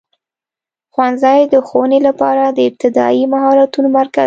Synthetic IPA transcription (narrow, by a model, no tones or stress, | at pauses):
xwanzɑjd̪əxowənelapɑɾad̪əɪb̚t̪ɪd̪ɑ̰imaɦɑɾat̪unomaɾka